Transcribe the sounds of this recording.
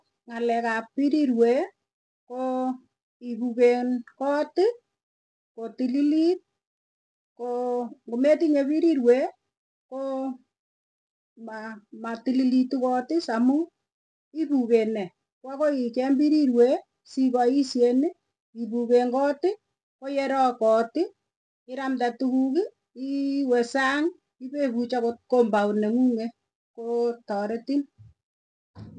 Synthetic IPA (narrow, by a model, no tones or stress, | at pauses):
ŋalɛkapiɾiɾwe | ko | iβuɣenkɔtɪ | kotililit̚ | koŋɡometiɲeβiɾiɾwe | ko | mamatililitukɔtɪsamu | iβuɣenɛ | kwakoikembiɾiɾwe | siɣaisjene | iβuɣeŋɡɔtɪ | kojeɾɔkɔtɪ | ɪɾamdatuɣuɣi | iwesaŋ | iβeβut͡ʃakokombaoneŋuŋe | kotɔɾetin